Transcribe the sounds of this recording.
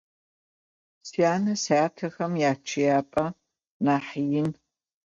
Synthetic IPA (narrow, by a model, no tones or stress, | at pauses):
sijaːnɐsaːtʰɐxɐmjaːt͡ʃʰɪjaːpʼɐ | naːħjɪn